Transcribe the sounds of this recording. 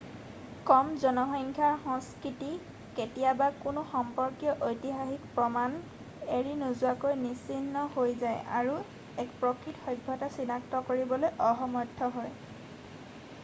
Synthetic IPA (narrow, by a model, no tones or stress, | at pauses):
kɔmzɔnɔxɔŋkʰaɹxɔ̃ŋskɹiti | ketijabakʊnʊxɔmpɔɹkijɔʔojtiɦaxikpɹɔman | eɹinuzʊakojnisinːɔhojzaja̰ɹu | ɛkpɹɔkʰɹitxɔjbʱɔtasinaktɔkoɹibɔlojʔɔxɔmɔtʰːɔɦoj